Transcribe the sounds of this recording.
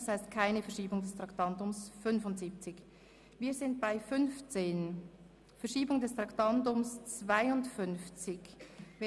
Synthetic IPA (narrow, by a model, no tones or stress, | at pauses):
shaɪstkʰaɪnəfɛɐʃiːbʊŋdɛstʁ̥ɑktɑntʊmsfʏnvʊntz̥iːp̚t͡sɪç | viːɐzɪnt̚b̥aɪfʏnft͡seːn | fɛɐʃiːbʊŋdɛstʁ̥ɑktɑntʊmst͡sv̥aɪʊntfʏnft͡sɪçv